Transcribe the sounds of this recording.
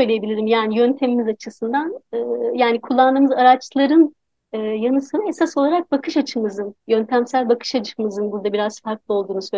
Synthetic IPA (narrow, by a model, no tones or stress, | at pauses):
søjlʲejebilʲiɾimjaːnijønt̪ʰe̞mimizat͡ʃʰɯsɯnd̪anɯːjaːnikʰulˠːand̪ɯːmɯzaɾat͡ʃlˠaɾɯnː | janɯsɯnae̞sasolˠaɾak̚bakʰɯʃat͡ʃʰɯmɯzɯnjø̞nt̪ʰæmsælʲbakʰɯ̥ʃat͡ʃʰɯ̥mɯzɯnbuɾd̪abiɾaz̥faɾklˠɯo̞lˠd̪uːnusø